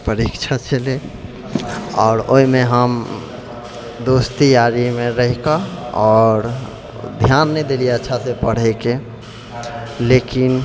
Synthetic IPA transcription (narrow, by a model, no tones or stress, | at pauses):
pəɾikt͡ʃʰat͡ʃəle | ɔːɾo̰ɦimeɦəm | d̪ost̪ijaɾimeɾəɦikaɔɾ | d̪ʱjanːəɛd̪elieətːʃʰasepəɽ̤ɛke | lekin